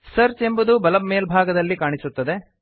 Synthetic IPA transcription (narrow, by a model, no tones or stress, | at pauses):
sɐɾt͡ʃe̞mbud̪ubɐlɐbmeːlbʱaːɡɐd̪ɐlːikaːɳisut̪ːɐd̪e̞